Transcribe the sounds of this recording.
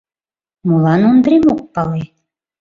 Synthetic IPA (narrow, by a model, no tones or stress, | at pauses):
molˠɑnond̪ɾemok̚pɑle